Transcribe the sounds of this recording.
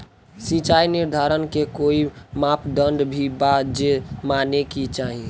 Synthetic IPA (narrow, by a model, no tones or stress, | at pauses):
sĩt͡ʃaːinɪɾd̪ʱaɾənkekoimapd̪əɳɖbʱibad͡ʒemanekit͡ʃaːɦie